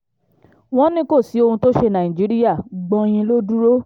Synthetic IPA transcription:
w̃ɔ̃˦nĩ˦ko˦˨si˨˦o˧hũ˧to˦ʃe˧nã˨ĩ˨d͡ʒi˨˦ɾi˦ja˦˨ɡ͡bɔ̃˧j̃ĩ˧lo˦du˦ɾo˦

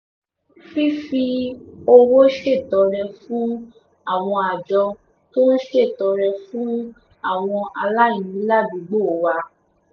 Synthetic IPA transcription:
fi˦fi˧o˧wo˦ʃe˦˨tɔ˨˧ɾɛ˧fũ˦ | a˦˨w̃ɔ̃˧a˨d͡ʒɔ˧ | to˦ʃe˦˨tɔ˨˧˦ɾɛ˧fũ˦ | a˦˨w̃ɔ̃˧a˧la˦ĩ˨nĩ˨˦la˦bu˨˦ɡ͡bo˦˨wa˧

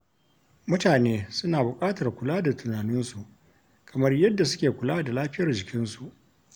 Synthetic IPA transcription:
mʊ˦taː˨neː˦sʊ˦naː˨bʊ˨kʼaː˦tɐ˨rkʷʊ˨laː˦da˨tʰʊ˨naː˨nʊ˦nsu˨ʔ | kʰɐ˨mɐ˦rjɐ˦dːa˨s̬ʊ˦kʲeː˨kʷʊ˨laː˦da˨laː˦ɸɪ˦jɐ˨rd͡ʒɪ˨kʲɪ˦nsu˨ʔ

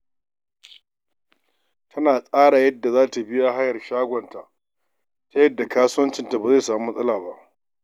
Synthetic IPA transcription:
tʰɐ˦naː˨sʼaː˦ɽa˨jɐ˦dːa˨zaː˦ta˨bɪ˦ja˦ɦa˦jɐ˨rʃaː˦ɡʷɔ˨nta˨ʔ | ta˦jɐ˦dːa˨kaː˦sʊ˦wɐ˦nt͡ʃɪ˦˨nta˨ba˨za˦˨saː˨mu˦m˦sʼɐ˦laː˨ba˦ʔ

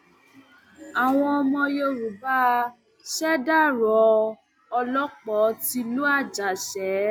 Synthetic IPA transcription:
a˨w̃ɔ̃˧ɔ˧mɔ̃˧jo˧˨ɾu˨ba˦˧ | ʃɛ˦da˦˨ɾɔ˨˦ | ɔ˧lɔ˦k͡pɔ˨˦ti˧˦lu˦a˦˨d͡ʒa˨ʃɛ˨˦

